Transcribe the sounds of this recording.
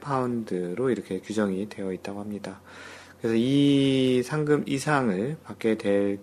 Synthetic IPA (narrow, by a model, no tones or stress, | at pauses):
pʰaundɯɾoiɾʌkʰe̞kjud͡ʑʌŋidwe̞jʌit̚t͈aɡohamɲida | kɯɾe̞sʰʌi | sʰaŋɡɯmisʰaŋɯɭpak͈̚e̞dwe̞ɭ